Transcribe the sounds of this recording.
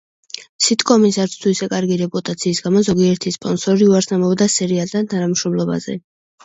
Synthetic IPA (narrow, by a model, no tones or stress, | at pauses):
sʰit̪ʰʼkʼɔmisaɾt̪sʰt̪ʰuisɛkʼaɾɡiɾɛpʼut̪ʼat̪sʰiːsɡamɔzɔɡiɛɾt̪ʰispʼɔnsɔɾiuaɾsnamɔvd̪asɛɾialt̪ʰant̪ʰanamʃɾɔmlɔba̰zɛ̰